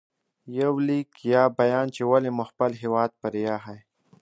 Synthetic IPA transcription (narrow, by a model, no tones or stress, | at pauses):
jawliːkjabɐjaːnt͡ʃewalemʊxpəlɦewɑːd̪̚pɐɾjaɦaj